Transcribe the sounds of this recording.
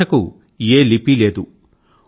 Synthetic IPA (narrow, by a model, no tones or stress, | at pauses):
ɐku | eːlipileːd̪u